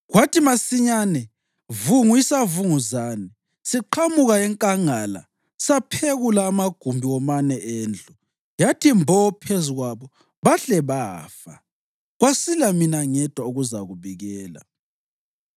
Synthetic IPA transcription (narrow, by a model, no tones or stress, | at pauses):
ɣwatimasiɲanɛ | vuŋuisavuŋuzaːnɛ | siǃʰamuɣaɛŋkʼaŋala̰ | sapʰeɣulaːmaɡ̥ʱumbʱiwɔmanɛʔeːnd͡ɮʱu | jatʰimbʱɔɔpʰeziɣwaβɔ | βaɬɛβaːfa̰ | ɣwasilaminaŋɛd̥ʱwauɣuzaɣuβiɣɛːla̰